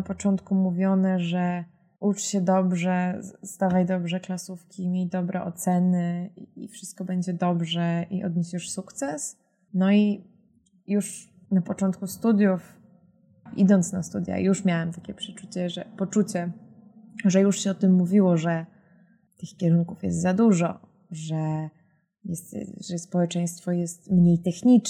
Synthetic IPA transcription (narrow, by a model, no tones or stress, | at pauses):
apɔt͡ʂɔnt̪kumuvʲjɔnɛʐɛ | ʔut͡ʂɕɛd̪ɔbʐɛz̥d̪avajd̪ɔbʐɛklasufkʲimʲjejd̪ɔbɾɛʔɔt̪sɛnɘiifʂɘst̪̚kɔbɛɲd͡ʑɛd̪ɔbʐɛʔiʔɔ̰d̪ɲeɕɛʂsukt̪sɛs | nɔi | juʂ | napɔt͡ʂɔnt̪̚kust̪ud̪ʲjuf | ʔḭd̪ɔnt̪snast̪ud̪ʲja̰juʂmʲjawɛmt̪ḁkʲɛpʂɛt͡ʂut͡ɕɛʐɛpɔt͡ʂut͡ɕɛ | ʐɛjuʂɕɛɔt̪ɘmːuvʲiwɔʐɛ | t̪ɘxkʲɛɾuŋkufjɛ̰st̪zad̪uʐɔ̰ | ʐɛ | jɛst̪ʐɛspɔwɛt͡ʂɛj̃st̪fɔjɛst̪mɲejt̪ɛxɲit͡ʂ